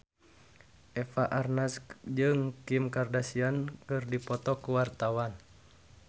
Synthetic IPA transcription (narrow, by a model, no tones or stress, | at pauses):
ʔɛfaʔarnasd͡ʒɨŋkimkardasiankɨrdipɔt̪ɔkuwart̪awan